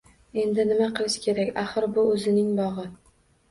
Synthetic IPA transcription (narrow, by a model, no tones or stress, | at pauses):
e̞nd̪ɪnɪmaqʰɨlˠɪʃkʲʰe̞ɾakʲaχɨɾbʊɵzɪnɪŋbɒʁɨ